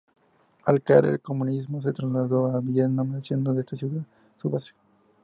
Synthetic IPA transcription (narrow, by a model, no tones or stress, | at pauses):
alkaɾḛlkomũnizmos̬et̪ɾazlaðoaβjenamaðesjend̪oðeest̪asjuða | suβaso